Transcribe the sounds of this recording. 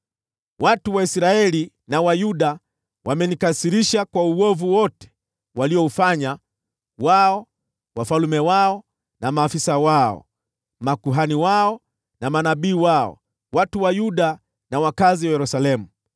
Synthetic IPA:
watuwaisɾaɛli | nawajuɗa | wʔamɛnikasiɾiʃakwauɔvuwɔtɛ̥ | waliɔufaɲa | waɔ | wafalumɛwaɔ | namaːfisawaɔ̰ | makuɦaniwaɔ | namanaɓiːwaɔ̰ | watuwajuɗa | nawakaziwajɛɾusalɛmu

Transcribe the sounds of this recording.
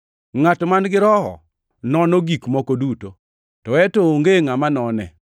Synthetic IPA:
ŋatmanɡɪɾɔhɔ̰ | nɔnoɡikmɔkoduto | tɔɛtooŋɡeŋamanɔnɛ̰

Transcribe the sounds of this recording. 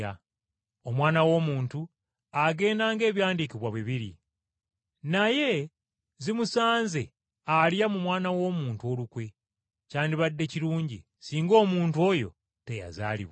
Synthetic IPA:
a | omwaːnawo̞ːmuːntu | aɡe̞ːndaːŋɡe̞ːβjaːndikiβwaβwiβiɾḭ | naje̞ | zimusaːnze | alijamumwaːnawo̞ːmuːntuo̞ːlukwe̞ | caːndiβadːe̞ciɾuːɲɟḭ | siːŋɡo̞ːmuːntuo̞ːjo̞̰ | te̞ja̰za̰ːlḭβa

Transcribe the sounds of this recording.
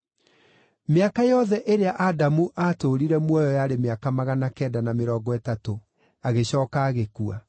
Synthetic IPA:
meakajɔðɛʔeɾeaʔadamuʔatoɾiɾɛmwɔjɔjaːɾemeakamaɣanakɛdanameɾɔːɡɔɛtato | aɣeɕɔːkaːɣekua̰

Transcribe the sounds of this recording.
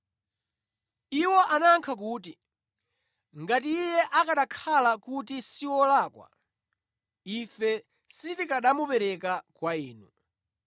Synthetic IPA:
iwɔʔanaŋkʰak̬uːti | ŋɡatiːjɛʔakaɗakʰalakutisiwɔlaːkwa̰ | ifɛ | sitikaɗamupɛɾɛkakwaiːnu

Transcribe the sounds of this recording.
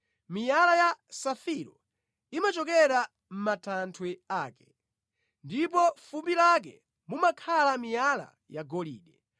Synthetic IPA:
mijalajasafiɾɔ | imat͡ʃɔkɛɾa | m̩matʰantʰwɛaːkɛ̥ | ndip̬ɔfumbilak̬ɛ | mumakʰalamijala̰ | jaɡɔlḭːɗɛ

